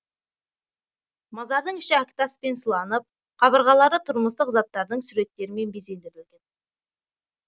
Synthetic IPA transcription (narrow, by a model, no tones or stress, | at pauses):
mɑzɑɾd̪əɴɪʃɪækʲt̪aspe̞nsəlˠɑnəp̚ | qʰɑβəɾʁɑlˠɑɾət̪ʰʊɾməst̪əqzɑt̪ːɑɾd̪əɴsuɾe̞t̪ːe̞ɾɪme̞nbeze̞nd̪eɾɪlɡʲe̞n